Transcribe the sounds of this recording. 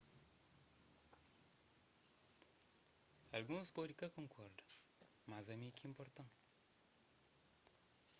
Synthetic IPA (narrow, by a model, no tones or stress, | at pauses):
alɡunspoɾikakɔ̃ŋkʰɔɾd | mazamikiimpɔɾt̪ãŋ